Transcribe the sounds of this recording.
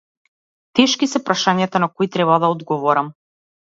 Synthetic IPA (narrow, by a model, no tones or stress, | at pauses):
t̪ɛʃkisɛpɾaʃaɲat̪anakɔit̪ɾɛβad̪aɔd̪ɡɔvɔɾam